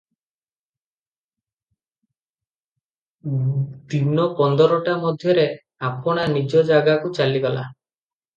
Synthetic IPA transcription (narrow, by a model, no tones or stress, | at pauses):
d̪inɔpɔnd̪ɔɾɔʈamɔd̪ʱjɔɾe | apɔɽ̃anid͡ʒɔd͡ʒaɡakut͡ʃaliɡɔla̰